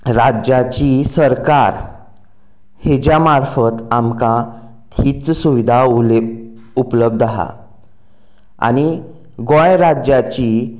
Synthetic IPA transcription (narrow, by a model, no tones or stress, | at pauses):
ɾad͡ʑat͡ɕisəɾkaɾ | hed͡ʑjamaɾfət̪amkã | t̪ʰiːt͡ssuʋid̪ʱa | upləb̚d̪aɦa̰ | a̰ñi | ɡõjɾad͡ʑjat͡ɕi